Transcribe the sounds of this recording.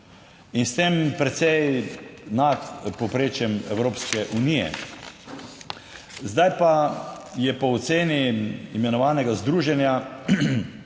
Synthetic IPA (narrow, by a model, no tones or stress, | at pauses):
inst̪empɾɛt̪sɛjnat̪pɔpɾeːt͡ʃjɛmɛwɾoːpskɛʔunijɛ̰ | zd̪ajpajɛpɔːt̪seːniːmɛnɔʋaːnɛɡazd̪ɾuːʒɛnja